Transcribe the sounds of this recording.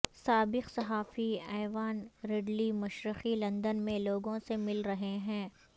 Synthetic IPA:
saːbɪqsɐɦaːfiɛːʋaːnɾeɖlimɐʃɾɪqilɐ̃nd̪ənmẽloːɡõsemɪlɾɐɦeɦɛ̃ː

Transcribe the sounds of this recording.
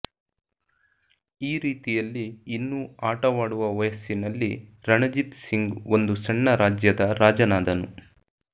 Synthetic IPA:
iːɾiːt̪ijɐlːiːnːuaːʈɐʋaːɽuʋɐʋɐjɐsinɐlːḭɾɐɳɐd͡ʒit̪siŋɡond̪usɐɳːɐɾaːd͡ʒjɐd̪ɐɾaːd͡ʒɐnaːd̪ɐnu

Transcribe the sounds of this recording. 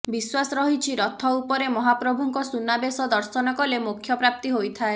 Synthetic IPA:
biswasɔɾɔɦit͡ʃʰiɾɔt̪ʰɔupɔɾemɔɦapɾɔbʱuŋkɔsunabesɔd̪ɔɾsɔnɔkɔlemukʰːjɔpɾap̚t̪iɦojt̪ʰae

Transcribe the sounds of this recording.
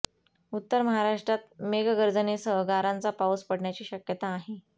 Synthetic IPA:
ut̪ːəɾməɦaɾaʂʈɾat̪̚meɡɡəɾd͡zənesəɦɡaɾãnt͡sapawspəɽɳjat͡ɕiːɕəkjət̪aːɦe

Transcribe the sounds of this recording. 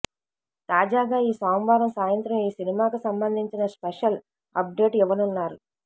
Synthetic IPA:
t̪aːd͡ʒaːɡaːiːsaːmʋaːɾɐmsaːjɐnt̪ɾɐmiːsinimaːkusɐmbɐnd̪ʱiɲt͡ʃinɐspeʂɐl | ɐp̚ɖe̞ːʈiʋɐnunːaːɾu

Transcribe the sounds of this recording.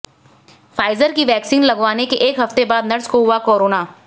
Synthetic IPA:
faːɪzəɾkiʋɛːksiːnlɐɡʋaːnekeʔeːkɦɐft̪ebaːd̪nɐɾt͡ʃkoɦʊakoːɾoːnaː

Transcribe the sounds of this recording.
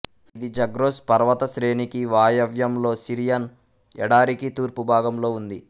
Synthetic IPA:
id̪id͡ʒɐɡɾoːspɐɾʋɐt̪ɐʃɾe̞ːɳikiʋaːjɐʋjɐmlo̞ːsiɾijɐn | ɛɽaːɾikit̪uːɾpubʱaːɡɐmlo̞ːund̪i

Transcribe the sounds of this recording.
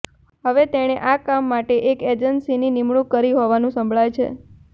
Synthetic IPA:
ɦəʋet̪eɽ̃eʔakamːaʈeʔeked͡ʒənsininimɭukːəɾiɦoʋanũsə̃mbʱɭajt͡ʃʰḛ

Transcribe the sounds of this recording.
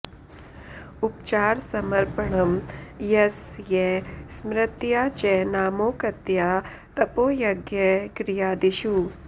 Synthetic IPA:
ʊp̚t͡ʃaːɾsɐmɐɾpəɳɐmjɐsjɛsmɾɪt̪jaːt͡ʃɛnaːmoːkɐt̪jaː | t̪ɐpoːjɐɡjɛkɾɪjaːd̪iʃuː

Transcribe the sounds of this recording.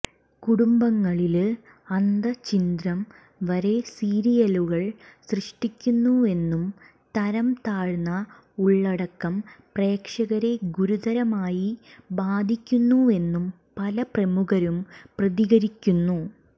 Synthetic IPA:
kuɽumbɐŋːɐɭil | ɐnd̪ɐt͡ɕind̪rɐm | ʋɐɾesiːɾijɐluɣɐɭsrɨʂʈikʲːunːue̞nːum | t̪ɐɾɐmt̪aːɻnːɐ | uɭːɐɽɐkːɐmpre̞ːkʂɐɣɐɾe̞ɡuɾud̪ɐɾɐmaːjibaːd̪ʱikʲːunːue̞nːum | pɐlɐprɐmuɣɐɾumprɐðiɣɐɾikʲːunːu

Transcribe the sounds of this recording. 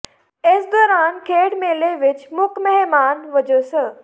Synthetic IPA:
ɪsd̪ɔːɾaːnkʰeːʈmeːleʋɪt͡ʃmʊkmɛɦmaːnʋɐd͡ʒosə

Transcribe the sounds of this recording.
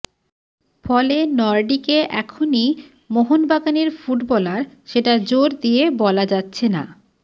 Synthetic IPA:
fɔlenɔɾɖikeʔɛkʰoni | moɦonbaɡaneɾfuʈbɔlaɾʃeʈad͡ʑoɾd̪ijebɔlad͡ʑatːɕʰena̰

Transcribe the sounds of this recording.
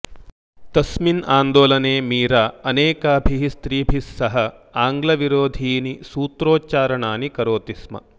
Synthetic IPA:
t̪ɐsminaːnd̪oːlɐneːmiːɾaːɐneːkɐɐbʱiɦist̪ɾiːbʱisːɐɦɐ | aːŋɡlɐʋiɾoːd̪ʱiːnisuːt̪ɾoːt͡ʃaːɾɐɳaːnikɐɾoːt̪ismɐ̰

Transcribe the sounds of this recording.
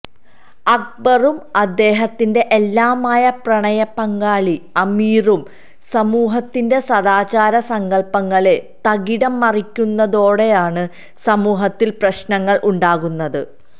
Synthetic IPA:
ɐk̚bɐrumɐd̪ːe̞ːɦɐt̪ːinde̞ʔelːaːmaːjɐprɐɳɐjɐpːɐŋɡaːɭiɐmiːrum | sɐmuːɦɐt̪ːinde̞sɐðaːt͡ɕaːɾɐsɐŋɡɐɭpɐŋːɐɭe̞t̪ɐɣiɽɐmːɐrikʲːunːɐðo̞ːɽe̞jaːɳɨ | sɐmuːɦɐt̪ːilprɐɕnɐŋːɐɭʔuɳɖaːɣunːɐðɨ

